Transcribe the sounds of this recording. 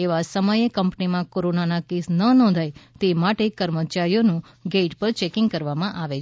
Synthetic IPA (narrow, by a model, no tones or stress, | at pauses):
eʋasəməjekəmpnimãkoɾonanakesnənɔ̃nd̪ʱajt̪emaʈekəɾmət͡ʃaɾijonũ | ɡeʈpəɾt͡ʃekɪŋɡkəɾʋamãʔaʋe